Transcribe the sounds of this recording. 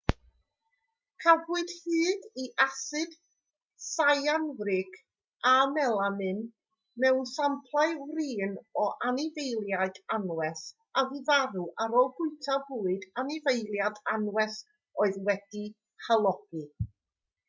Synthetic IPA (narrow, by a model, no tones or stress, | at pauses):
kʰabuɨd̥hɨːdiʔasɨd̥ | sajanvɾɪkʰ | amɛlˠamɨn | mɛwnsampʰlˠajwriːnɔʔanɪvejlˠjaɨdanwɛs | avɨvaɾuʔaɾɔlˠɡʊɨtʰabuːɨdanɪvejlˠjadanwɛs | ɔɨðwɛd̥i | halˠɔɡ̥ɨ